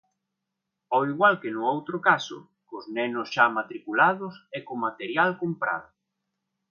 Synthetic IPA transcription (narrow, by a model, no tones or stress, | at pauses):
ɔwiɣwalkenʊowt̪ɾʊkasʊ̰ | kʊznɛnʊsʃamat̪ɾikulað̞ʊsɛkʊmat̪eɾjalkompɾa̰ðʊ